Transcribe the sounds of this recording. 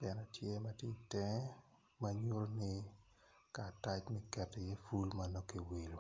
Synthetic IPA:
bɛ˨nɛ˨tʰje˦ma˦tje˦i˨tɛ˦ | maɲo˦ɾo˦nɪ˦ | kaː˨ta˦t͡ʃmɛ˦kɛ˨te˨jɛ˦fu˦lmano˦ke˨wi˨lo˨

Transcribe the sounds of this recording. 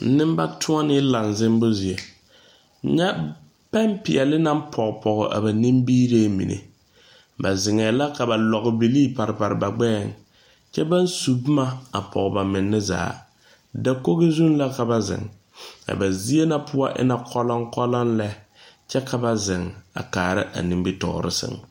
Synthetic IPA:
n̩˦nɪ˦m˦ba˦tʰʊ˦a˦nɪ˦la˨n˨zɪ˦mbʊ˦zi˨e˨˦ | ɲɛ˦ | pɛ˦mpɪ˨ɛ˨lɪ˦na˦m˦pʰɔ˨kpʰɔ˨ɣʊ̰˨ʔa̰˨ba˨ni˦mbiː˦ɾe˦mḭ˨nḛ˨ | ba˨zɪ˨ŋɛː˨la˦ka˨ba˨lɔ˨ɣɪ˨bi˨liː˦pa˨ɾɪ˨pa˨ɾɪ˨ba˨ɡ͡bɛː˦˨ŋ | t͡ʃɛ˦ba˦n˦su˨bma˦a˨pʰɔ̰˨ɣba˨mɪ˨nːɪ˦za̰ː˨˦ | da˦ko˦ɣɪ˦zu˦nla˦ka˨ba˨zɪ̰˨ŋ | ka̰˨ba˨zi˦e˦na˦pʰʊ˦a˦ʔɪ̰˦na˦kʰɔ˦lɔ˦ŋkɔ˦lɔ˦nlɛ˦ | t͡ʃɛ˦kʰa˨ba˨zɪ˨ŋa̰˨kaː˨ɾɪ̰˦ʔa̰˨nĩ˨mbi˦tɔ̰˨ɾɪ̰˦sɪ̰˦ŋ

